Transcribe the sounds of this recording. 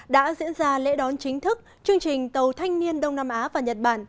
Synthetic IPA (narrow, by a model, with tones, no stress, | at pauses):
ɗa̰ː˧˥zḭ˧˥ənzaː˧lḛ˧˥ɗɔ˨˦nt͡ɕï˨˦ŋ̟t̪ʰɨ˦˥k̚ | t͡ɕɨ˧əŋt͡ɕï˨˩ŋ̟t̪ə˨˩wt̪ʰa˧jŋ̟ni˧ənɗə˧wŋ͡mnaː˧mʔaː˨˦vaː˨˩ɲə˨˩t̚ɓaː˧˩n